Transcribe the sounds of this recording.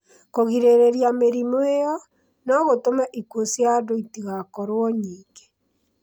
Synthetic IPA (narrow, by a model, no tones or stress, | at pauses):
koɣiɾeɾeɾjameɾimoejɔ | nɔɣotomɛʔikwosjadoitiɣakɔɾwɔɲiːŋɡe̥